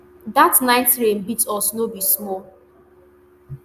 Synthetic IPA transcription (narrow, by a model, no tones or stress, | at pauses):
datnaɪtɹẽmbitɔsnobismɔl